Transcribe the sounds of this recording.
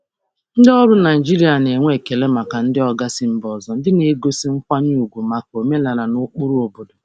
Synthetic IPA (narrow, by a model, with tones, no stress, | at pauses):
n̩˦dɔ˦ɾʊ˦na˨i˨d͡ʒi˦ɾi˨˦a˨ne˨ŋʷe˦˨ke˨le˦ma˨ka˨n̩˦dɪ˦ɔ˦ɡa˦sɪ˦m̩˦bɔ˨zɔ˦n̩˦dɪ˦ne˨e˦ɡo˦si˦ŋ͡m̩˦kʷa˦ɲ˦u˨ɡʷu˨ma˨ko˨me˦la˨ɾa˨nʊ˦k͡pu˦ɾu˦o˨bo˨do˨